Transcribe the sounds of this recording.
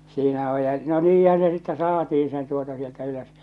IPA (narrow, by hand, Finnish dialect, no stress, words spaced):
siːnæ oj jɑ no niːhæn̞ se sitːɛ sɑːtiːĩ sen tuotɑ sieltæ yløs